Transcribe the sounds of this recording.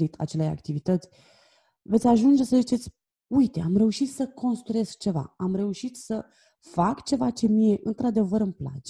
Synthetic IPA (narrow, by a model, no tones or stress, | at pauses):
it̪ʰa̰t͡ʃe̞leja̰kt̪ivit̪ət̪sʲ | vet̪sʲaʒund͡ʒe̞səzit͡ʃe̞t̪sʲ | ujt̪e̞amɾe̞uʃit̪səko̞nst̪ɾuje̞sk̚t͡ʃe̞va̰amɾe̞uʃit̪sə | fakt͡ʃe̞vat͡ʃe̞mije̞ʔɨnt̪ɾad̪e̞vəɾɨmpla̰t͡ʃe